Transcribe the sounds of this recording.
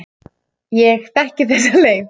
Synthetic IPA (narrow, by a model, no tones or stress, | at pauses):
jɛɣθɛhcɪθɛs̬ːaleːjv